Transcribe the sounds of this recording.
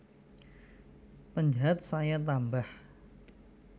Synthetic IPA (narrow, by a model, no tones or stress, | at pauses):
pəɲd͡ʒaɦat̪̚sajat̪ambah